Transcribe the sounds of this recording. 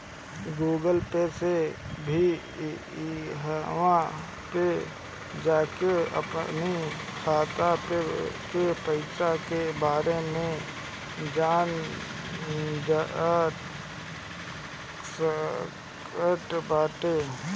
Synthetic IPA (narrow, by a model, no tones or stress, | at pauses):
ɡuːɡəlpesebʱi | ɦwã | pe | d͡ʒaːkeə̰pnikʰaːt̪apekepəɪsakebaːɾemẽ | d͡ʒaːn | d͡ʒa | s | kəʈbaːʈe